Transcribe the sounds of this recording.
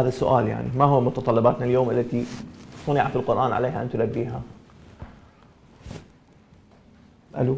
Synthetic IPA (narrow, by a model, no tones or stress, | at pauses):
haːðasːʊʔaːlja̰ʕnḭmahʊwːamʊt̪ɑt̪ˤɑlːɪbaːt̪naljoːmʔɪlːat̪isˤɑnɪʕafɪlqʊɾʔaːnʕa̰leːhaʔant̪ʊlabːiːɦa | ʔa̰lu